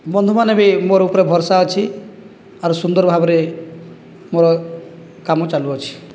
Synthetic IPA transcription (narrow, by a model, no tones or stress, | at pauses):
bɔnd̪ʱumanebimoɾɔupɔɾebʱɔɾsaɔt͡ʃʰi | aɾusund̪ɔɾbʱabɔɾe | moɾɔ | kamɔt͡ʃaluɔt͡ʃʰi̥